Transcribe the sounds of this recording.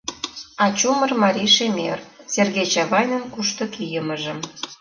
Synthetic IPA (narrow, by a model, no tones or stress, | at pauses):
ɑt͡ɕumərmɑɾʲiʃemerserɣejt͡ɕɑβɑjnənkuʃt̪ŏkijəməʒə̆m